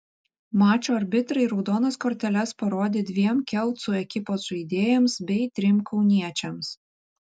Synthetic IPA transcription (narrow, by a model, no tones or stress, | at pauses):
mɑːt͡ʃʲoːɐɾʲbʲɪt̪ɾɐɪɾɒʊd̪oːnɐskoːɾʲt̪ʲɛlʲɛspɐɾoːd̪ʲeːd̪ʲʋʲiɛmkʲɛlˠt̪sʊɛkʲɪpoːsʊid̪ʲeːjɛmsbʲɛɪt̪ʲɾʲɪmkʰɒʊnʲiɛt͡ʃʲɛms